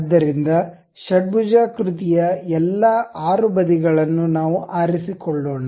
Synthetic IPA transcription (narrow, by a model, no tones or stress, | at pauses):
d̪ːɐɾind̪ɐ | ʃɐɖ̚bud͡ʒaːkɾut̪ijɐɛlːɐaːɾubɐd̪iɡɐɭɐnːunaːʋuʔaːɾisikɔɭːoːna